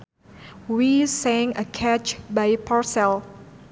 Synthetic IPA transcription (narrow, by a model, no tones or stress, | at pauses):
wisɛ̃ŋəkʰɛt͡ʃbajpʰaɹsɛl